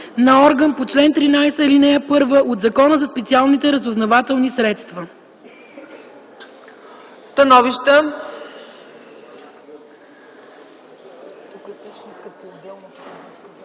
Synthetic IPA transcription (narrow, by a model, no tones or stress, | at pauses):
nɐɔɾɡənpot͡ʃlɛnt̪ɾinajsəlinɛəpɤɾvəʔod̪zɐkɔnəzɐspɛt̪sialˠnit̪ɛɾəzoznɐvat̪ɛlˠnisɾɛt̪st̪vɐ | st̪ɐnɔviʃt̪ə | t̪ukəsɛʃiskəpolˠbɛlˠn